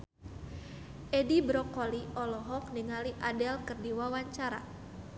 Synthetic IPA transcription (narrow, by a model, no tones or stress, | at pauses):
ʔɛdibɾɔkɔliʔɔlɔɦɔk̚niŋaliʔadɛlkɨrdiwawaɲt͡ʃaɾa̰